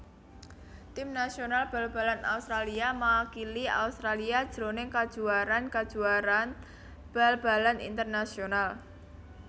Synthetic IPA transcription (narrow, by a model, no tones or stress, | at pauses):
t̪ɪmnasionalb̥a̤lb̥a̤lana̰ust̪ɾaliamakilia̰ust̪ɾaliad̥ʒ̥ɾonɪŋkad̥ʒ̥uaɾankad̥ʒ̥uaɾan | b̥a̤lb̥a̤lanḭnt̪ərnasional